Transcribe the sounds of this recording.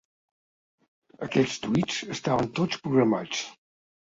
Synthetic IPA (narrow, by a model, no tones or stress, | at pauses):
əkɛʎst̪uid͡zəst̪aβənt̪ot͡spɾuɣɾəmat͡s